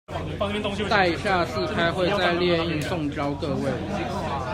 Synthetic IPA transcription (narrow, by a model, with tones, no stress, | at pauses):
t̪a˥˩i˨˩ɕja˥˧s̩˥˩kʰa˥ɪxwe˥˧ɪt͡sa˥˧ɪljɛ˥˧i˥˧ŋsʊ˥˨ŋʈ͡ʂɑ˥ʊkɤ˥˧we˥˩ɪ